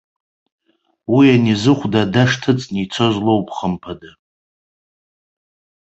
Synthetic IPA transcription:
wianizɨχʷdadaʂtʰɨt͡sʼnit͡sʰo̞zlowpʰʼχəmpʰada

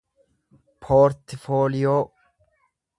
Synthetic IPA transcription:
pʰoːɾt̪foːlɪjoː

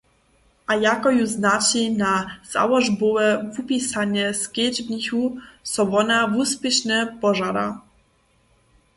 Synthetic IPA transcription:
ajakɔjuznat͡ɕinaz̥a̰wɔʐbuwɛvupʲisaɲɛskʲjed͡ʑbnixusɔvɔnavuspɘɕnɛpɔʐaɾa̰

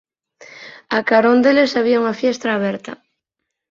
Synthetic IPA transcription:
akaɾond̪elesaβ̞iauŋafjest̪ɾaːβ̞eɾt̪a̰

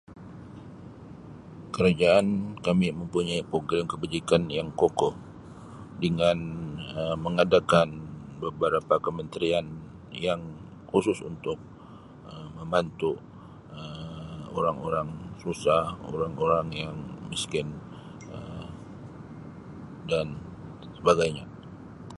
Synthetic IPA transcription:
kəɾad͡ʒaʔankamiməmpuɲaipoɡɾɛmkəbad͡ʒikanjaŋkokɔh | dəŋanəməŋadakanbəbəɾapakəmənt̪ɾian | jaŋ | husʊsṵnt̪ʊk̚ | əməmbant̪u | əoɾaŋoɾaŋsusaho̰ɾaŋoɾaŋjaŋmiskɪn | ə | dan | səbaɡajɲa

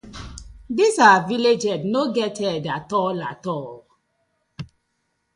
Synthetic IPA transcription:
disaviled͡ʒɛdnoɡɛtʰɛdatɔlatɔl

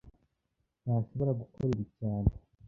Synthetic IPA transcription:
naaʃo̞βo̞ɾaɡukoɾiɾicaːne

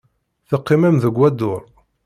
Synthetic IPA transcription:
θəqːɪmæmðəɡʷːæd̪ʊɾˤ

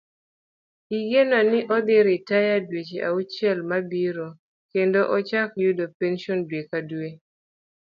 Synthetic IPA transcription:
iɡenanɪʔɔd̪ɪɾɪtajadwet͡ʃeʔa̰ut͡ʃɛlmabiɾo | kendoʔɔt͡ʃakjudopenʃɔndwekade

